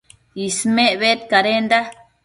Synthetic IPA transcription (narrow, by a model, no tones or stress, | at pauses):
ismeβet̪kaɾend̪a